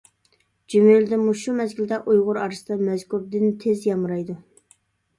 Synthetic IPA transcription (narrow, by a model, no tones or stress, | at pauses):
d͡ʒymejyld̪ɪmuʃumɛzɡʲɪlɪd̪ɛʔujʁʊɾɑɾɨsɨd̪ɑmɛzkʰuɾd̪ɪnt̪ʰezjɑmɾɑjd̪u